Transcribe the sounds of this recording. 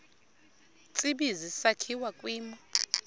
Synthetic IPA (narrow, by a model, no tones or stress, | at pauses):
t͡sʼiɓizisakʰiwakʼwiːmɔ